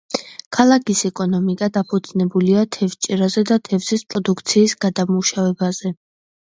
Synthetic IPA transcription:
kʰalˠakʰisɛkʼɔnɔmikʼad̪apʰɔt̪sʰʼnɛbuliat̪ʰɛft͡ʃʼɛɾazɛd̪at̪ʰɛvzispʼɾɔd̪ukʰt̪sʰiːsɡ̥ad̪amuʃavɛbazɛ

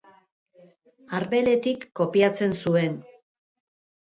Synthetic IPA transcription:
aɾβe̞le̞t̪ikːo̞piat͡se̞nsue̞n

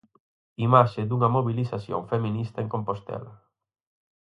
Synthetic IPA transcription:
imaʃed̪uŋɐmoβiliθaθjo̰ŋfemĩnist̪ɐeŋkompost̪ɛ̰lɐ

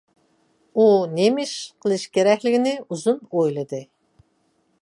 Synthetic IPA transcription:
unemɪʃqʰəlˠɨʃkʲeɾɛkʲlɪɡʲinɪuzunojlˠɨd̪ɨ

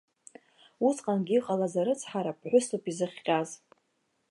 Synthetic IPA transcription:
ut͡sʰqʼanɡʲiiqʼalazaɾɨt͡sʰħaɾap̚ʰħʷᶣʊsupʰʼizɨχʲqʲʼaz

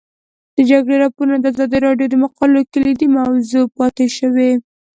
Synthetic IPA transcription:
d̪̥əd͡ʒaɡɽeɾɑpoɾnad̪əazɑd̪iɾɑɖjod̪əmaqɑlokəlid̪imawzupɑt̪eʃəwe

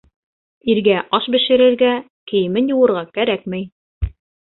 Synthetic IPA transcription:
iɾɡæʔɑʃbɘ̆ʃɘ̆ɾɘ̆ɾɡæ | kɘ̆jɘ̆mɘnjuwɤ̆ɾʁɑkæɾæk̚mɘj

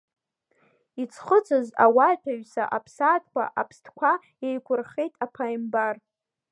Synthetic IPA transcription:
it͡sʰχət͡sʰɨzawatʰaɥsa̰ʔapʰsatʼkʷa̰ʔapʰstʰkʷʰa | ejkʷʰʊrχe̞jtʼapʰajmbar

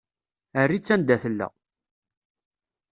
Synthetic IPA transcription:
ərːit͡sːænd̪æθəlːæ̰

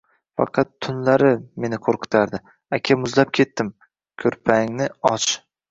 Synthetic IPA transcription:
fɑ̰qʰɑt̪ʰːʊnlaɾɪme̞nɪqʰoɾqʰɨ̥t̪ʰaɾd̪ɪ | akʲʰamʊzlap̚kʲʰe̞t̪ːɪm | kʲʰɵɾpʰaŋnɪɒt͡ʃ

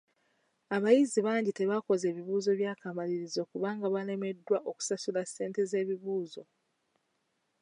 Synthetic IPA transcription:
aβajiziβaːɲɟite̞βako̞ze̞ːβiβuːzo̞βjaːkamaliɾizo̞kuβaːŋɡaβale̞me̞dːwaʔo̞ku̥sasulase̞ːnte̞ze̞ːβiβuːzo̞

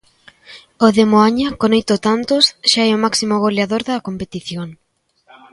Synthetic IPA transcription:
oðemoaɲɐkonojt̪ot̪ant̪osʃaɛomaksimoɣoleaðoɾðɐkompet̪iθjoŋ

